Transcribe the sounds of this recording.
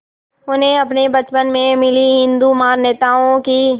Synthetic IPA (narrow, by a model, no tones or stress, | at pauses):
ʊnɦẽɐpnebɐt͡ʃpənmẽmɪliɦɪ̃nd̪umaːɾneːt̪aːõki